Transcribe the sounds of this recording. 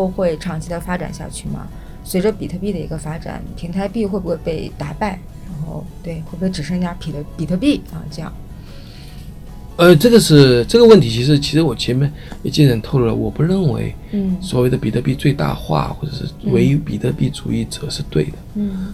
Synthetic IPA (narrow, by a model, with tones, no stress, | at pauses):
o˥˧ʊxwe˥˧ɪʈ͡ʂʰɑ˥˩ŋt͡ɕʰi˧˥d̪ə˧fa˥ʈ͡ʂa̰˨˩nɕja̰˥˧t͡ɕʰy˥˩mɐ̰˩ | swe˧˥ʈ͡ʂə˧pi˨˩t̪ʰɤ˥˧pi˥˩d̪ə˩ḭ˧˥ɡə˧fa˥ʈ͡ʂa̰˨˩˦npʰi˧˥ŋt̪ʰa˧˥ɪpi˥˧xwe˥˩ɪbu˧˥we˥˩ɪpe˥˩ɪt̪a˧˥pa˥˩ɪɻa˧˥nxo˥˧ʊt̪we˥˩ɪxwe˥˩bxʈ͡ʂ̩˨˩ʂə˥˧˥ja˥pʰi˨˩t̪ʰpi˨˩t̪ʰɤ˥˧pi˥˩ɐ̰˧ʈ͡ʂɤ˥˧jɑ̰˥˩ŋ | ə˧ʈ͡ʂɤ˥˩ɡə˩ʂɻ̩˥˧ʈ͡ʂɤ˥˩ɡə˩wə˥˩nt̪ʰi˧˥t͡ɕʰi˧˥ʂɻ̩˧˥t͡ɕʰi˧˥ʂɻ̩˧˥wɔ˨˩t͡ɕʰɛ˧˥mɛ˧˥njɛ˨˩t͡ɕi˥˩nə˧˥nt̪ʰo˥˧ʊlu˥˩lə̰˩wɔ˨˩pu˧˥ɻə˥˩nwḛ˧˥ɪ˥ | swɔ˨˩we˥˩ɪd̪ə˩pi˨˩t̪ʰɤ˥˧pi˥˧t͡swe˥˧ɪt̪a̰˥˧xwa̰˥˩xwɔ˥˩ʈ͡ʂɤ˨˩ʂɻ̩˥˩we˧˥ɪpḭ˨˩t̪ʰɤ˥˧pi˥˩t͡su˨˩i˥˩t͡sɤ˨˩ʂɻ̩˥˧t̪we˥˩ɪd̪ə˩˥˩